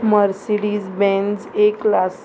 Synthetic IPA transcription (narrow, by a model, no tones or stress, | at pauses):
məɾsiɽizbɛ̃nd͡zeklas